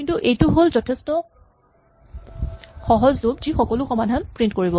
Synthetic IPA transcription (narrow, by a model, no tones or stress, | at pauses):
kintuʔejtʊɦolzɔtʰɛstɔ | xɔɦɔzzobzixɔkɔlʊxɔmadʱanpɹint̚koɹibɔ